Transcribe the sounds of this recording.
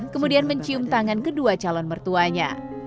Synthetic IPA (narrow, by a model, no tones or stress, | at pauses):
kəmudianməɲt͡ʃiʊmt̪aŋankəduat͡ʃalɔnmərt̪uaɲa̰